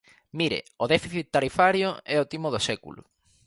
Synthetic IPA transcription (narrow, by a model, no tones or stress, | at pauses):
miɾḛoðɛfiθit̪ːaɾifaɾjoɛot̪imoðosɛkṵlʊ̰